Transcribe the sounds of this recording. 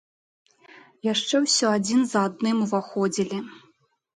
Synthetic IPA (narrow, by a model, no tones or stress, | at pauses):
jaʂt͡ʂɛwsʲɔad͡zʲinzɐad̪̚nɨmuvaxɔd͡zʲilʲi